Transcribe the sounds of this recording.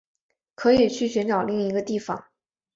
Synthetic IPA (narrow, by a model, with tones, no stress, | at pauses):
kʰɤ˧˥i˨˩t͡ɕʰy˥˩ɕy˧˥nʈ͡ʂɑ˨˩ʊli˥˩ŋi˧˥ɡə˧t̪i˥˩fɑ̰˨˩ŋ